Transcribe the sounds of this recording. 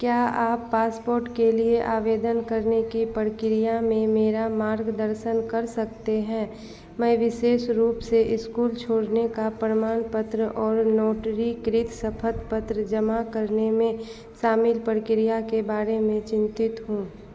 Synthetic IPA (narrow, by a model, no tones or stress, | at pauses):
kjaːaːpːaːspoːɾʈkelieʔaːʋeːd̪ənkɐɾnekipəɾkɪɾijamẽmeːɾamaːɾɡd̪əɾʃənkɐɾsɐkt̪eɦɛ̃ː | mɛ̃ːʋɪʃeːʃɾuːpseʔɪskuːlt͡ʃʰoːɽnekapɾəmaːnpət̪ɾəʔɔːɾnɔːʈɾikɾɪt̪ʰsəpʰət̪pət̪ɾəd͡ʒəmakəɾnemẽ | ʃaːmɪlpəɾkɪɾijakebaːɾemẽt͡ʃɪ̃nt̪ɪt̪ɦũː